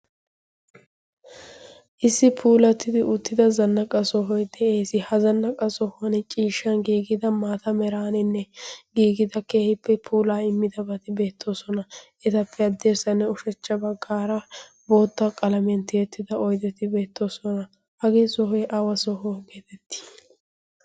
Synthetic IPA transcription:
ʔɪsːɪpʰuːlɐt̪ːɪd̪ɪʔʊt̪ːɪd̪ɐzɐnːɐkʼɐsɔɦɔjd̪ɛeːsɪhɐzɐnːɐkʼɐsɔhɐnɛt͡ʃʼiːʃːɐnɡiːɡɪd̪ɐmaːt̪ɐmɛɾaːnɪnːɛɡiːɡɪd̪ɐke̞ːhɪpːɛpʰuːlaːɪmːɪd̪ɐbɐt̪ɪbe̞ːt̪ʰːo̞ːsɔnɐ | ɛt̪ɐpʰːɛɐd̪ːeːsɐnːɛʊʃɛt͡ʃːɐbɐɡːaːɾɐ | bo̞ːt̪ːɐkʼɐlɐmnt̪ɪjɛt̪ːɪd̪ɐɔjd̪ɛt̪ɪbe̞ːt̪ːo̞ːsɔnɐ | hɐɡeːsɔɦɔjʔɐwɐsɔɦɔːɡeːt̪ɛt̪ːɪ̥

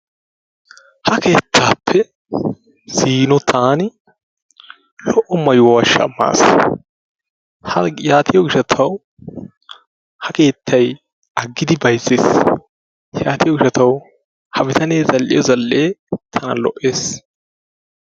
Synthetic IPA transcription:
hɐke̞ːt̪ʰːaːpʰːɛ | siːnɔt̪ʰaːnɪ | lɔʔːɔmɐjʊwɐʃɐ̰mːa̰ːs | hɐjaːt̪ʰɪjɔɡɪʃɐt̪ʰɐw | hɐke̞ːt̪ʰːɐj | ɐɡːɪd̪ɪbɐjzːeːs | jaːt̪ɪjɔɡɪʃɐt̪ɐw | hɐbɪt̪ɐne̞ːzɐlːɪ̰jɔzɐlːeːt̪ʰɐnɐ̰lɔʔːe̞ːs

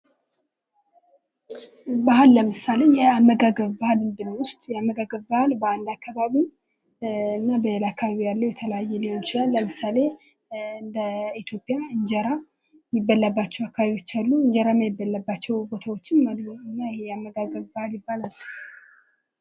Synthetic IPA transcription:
bahɨlːəmɨsale̞jɛamːəɡaɡəβbahalɨnd̪ɨnwʊst̪jɛamːəɡaɡəβbahalbəand̪akʰːaβaβi | ɨnːabəlakːaβaβijalːəwjɛt̪ʰələjajːɛlihont͡ʃɪlalːəmɨsale̞ | ɨnd̪əit̪ʰjo̞pʼːijaɨɲd͡ʒəɾa | jɪbːəlːabːat͡ʃːɛwakːaβaβiwot͡ʃːalːuɨɲd͡ʒəɾaməjɪbːəlːəbːat͡ʃːɛwbo̞t̪ʰawo̞t͡ʃːɪnːalːuɨnːajɛhejɛamːəɡaɡəβbahaljɪbːalalː

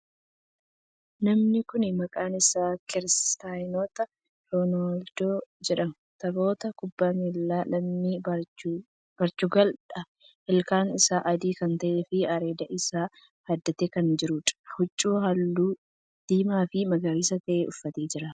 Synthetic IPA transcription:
nɐmnɪkʊnɪmɐkʼaːnɪsaːkɪɾst̪aːjnoːt̪ɐ | ɾoːnold̪̥oːd͡ʒɛᶑɐm | t̪ɐbo̞ːt̪ɐkʊbːaːmelːaːlɐmniːbɐ | b̥ɐɾt͡ʃʊɡɐlᶑɐ | hɛlkaːnɪsaːʔɐd̪iːkɐnt̪ɐʔeːfɪɐɾe̞ːd̪ɐʔɪsaː | hɐd̪ːɐt̪ekɐnd͡ʒɪɾʊᶑ̪ʼhʊt͡ʃʼːuːɦɐlːuː | d̪̥iːmaːfɪmɐɡɐɾiːsɐt̪ɐʔeːʔʊfːɐt̪eːd͡ʒɪɾɐ

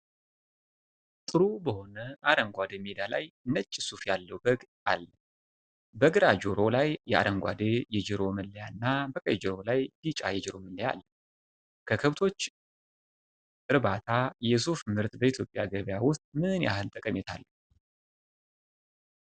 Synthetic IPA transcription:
t̪ʼɨɾubəho̞nəʔaɾəŋɡʷad̪emed̪ala̰jɨnət͡ʃʼːɪsufjalːəwbəɡ | alːə | bəɡɨɾad͡ʒoɾo̞lajːɛʔa̰ɾəŋɡʷa̰d̪ejɛd͡ʒɨɾo̞mɨlːəjanːabəkʼəjd͡ʒɨɾo̞lajdit͡ʃʼajɛd͡ʒɨɾo̞mɨlːəja̰lːə | kʰəkʰəβt̪ʰo̞t͡ʃː | ɨɾβat̪ʰajjɛsufmɨɾt̪bəit̪ʰjo̞pʼjaɡəβjawʊst̪ʼmɨnja̰ɦɨnt̪ʼəkʼəmɛt̪ʰa̰lːə

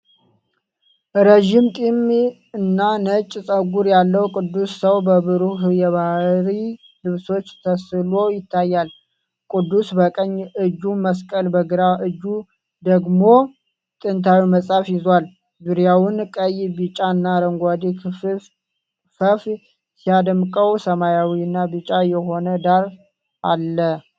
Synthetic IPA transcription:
ɾəʒimt̪ʼim | ɨnːanət͡ʃʼːsʼəɡuɾjalːəwkʼɨd̪ːusːəwbəβɨɾuɦjɛβahɾi | lɨβso̞t͡ʃːt̪ʰəsɨlo̞jɪt̪ʰːajːal | kʼɨd̪ːusbəkʼəɲːɨd͡ʒːuməskʼəlbəɡɨɾaʔɨd͡ʒːu | d̪əɡmo̞ | t̪ʼɨnt̪ʰawiməsʼafjɪzwal | zuɾijawʊnkʼəjbɨt͡ʃʼanːaɾəŋɡʷad̪i | fəf | sijad̪əmkʼəwsəmajawiɨnːabɨt͡ʃʼajɛɦo̞nəd̪aɾ | ʔa̰lːə

